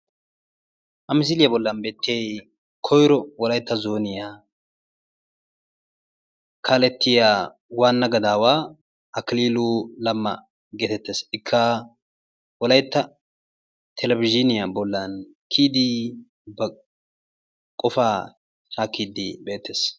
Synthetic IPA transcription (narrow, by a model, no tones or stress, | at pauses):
ʔɐmɪs̬ɪlɪjɐbɔlːɐnbe̞ːt̪ʰːej | kʰɔjɾɔwɔlɐjt̪ːɐzoːnɪjaː | kʰaːlɛt̪ʰːɪjaː | waːnːɐɡɐd̪aːwaː | ʔɐkɪliːlulɐmːɐ̰ | ɡeːt̪ɛt̪ːeːsɪkʰːɐ | wɔlɐjt̪ːɐ | t̪ʰɛlɛbɪd͡ʒɪnɪjɐbɔlːɐn | kʰiːd̪i | bɐ | kʼɔfaː | haːkʰːiːd̪ɪbe̞ːt̪ʰːeːs